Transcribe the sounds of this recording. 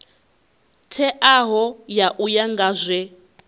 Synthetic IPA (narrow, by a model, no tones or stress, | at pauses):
tʰɛʔaɦɔjaʔujaŋɡazʷɛ